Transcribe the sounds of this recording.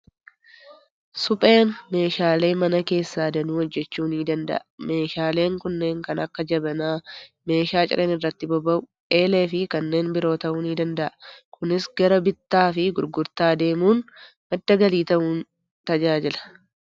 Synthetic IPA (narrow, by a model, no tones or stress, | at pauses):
sʊpʼe̞ːnme̞ːʃaːle̞ːmɐnɐke̞ːsːaːd̪ɐnuːhɔd͡ʒːɛt͡ʃːuːniːd̪ɐnd̪ɐ̰ʔɐme̞ːʃaːle̞ːŋkʊnːe̞ːŋkɐnʔɐkːɐd͡ʒɐbɐnaːme̞ːʃaːt͡ʃʼɪ̰ɾʔeːnɪrːɐt̪ːɪbɔbɐʔʊ | e̞ːleːfɪkɐnːe̞ːnbɪɾo̞ːt̪ɐʔuːniːd̪ɐnd̪ɐʔɐkʰʊnɪsɡɐɾɐbɪt̪ːaːfɪɡʊɾɡʊɾt̪aːd̪e̞ːmuːn | bɐd̪ːɐɡɐliːt̪ɐʔuːn | t̪ɐd͡ʒaːd͡ʒɪlɐ̥